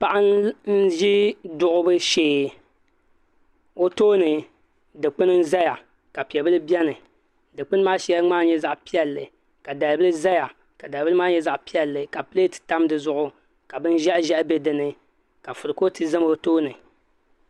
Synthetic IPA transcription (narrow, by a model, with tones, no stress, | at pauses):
pa˨ʔa˦nn̩˦ʒi˦dʊ˦ʔʊ˦bɨ˦ʃeː˦˨ | o˦toː˦nɨ˨ | dɨ˨k͡pɨ˦nɨ˦n̩˦za˦ja˨ | ka˨pi˨ɛ˨bɨ˦lɨ˦bɛ˦nɨ˨ | dɨ˨k͡pɨ˦nɨ˦maː˦ʃa˦ŋ͡maː˦ɲɛ˦za˨ʔpi˦ɛ˦lːɨ˨ | ka˨da˨lbɨ˦lɨ˦za˦ja˨ | ka˨da˨lbɨ˦lmaː˦ɲɛ˦za˨ʔpi˦ɛ˨lːɨ˨ka˨pɨ˦e˦tɨ̥˨ta˦mdɨ˨zʊ˦ʔʊ˦ | ka˨bɨ˦n˦ʒɛ˦ʔʒɛ˦ʔbɛ˦dɨ˨nɨ˦ | ka˨fʊ˨ɾɨ˨ko˦tɨ˦zɨ˦m˦o˦toː˦nɨ˨